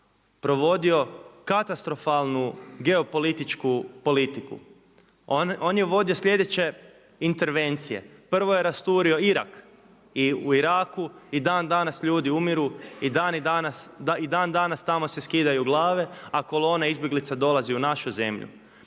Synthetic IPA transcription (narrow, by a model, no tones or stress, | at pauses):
pɾo̞ʋo̞d̪io̞kat̪ast̪ɾo̞falˠnuɡe̞o̞po̞lit̪it͡ʃkupo̞lit̪ikṵ | o̞njeʋo̞d̪io̞sʎʲe̞d̪e̞t͡ɕe̞ | int̪e̞ɾʋe̞nt̪sije̞̰pr̩ʋojeɾast̪uːɾio̞iɾa̰k | iuiɾaːkuid̪aːnd̪anasʎuːd̪iumiɾuid̪aːnid̪anasaid̪aːnd̪anast̪amo̞se̞skiːd̪ajuɡlˠaːʋe̞ako̞lˠo̞ːnaizbjeɡlit̪sad̪o̞lˠaziunaʃuze̞̰mʎṵ